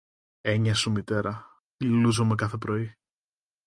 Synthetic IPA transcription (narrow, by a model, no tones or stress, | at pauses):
e̞ɲɐsumit̪e̞ɾɐ | iluzome̞kɐθe̞pɾo̞i